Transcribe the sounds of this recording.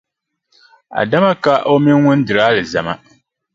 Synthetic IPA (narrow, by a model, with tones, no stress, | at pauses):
a̰˨da˦ma˦ka˦ʔo˦mɪ˦n˦ŋʊ˦n˦dɨ˨ɾaː˦lɨ˨za˨ma̰˦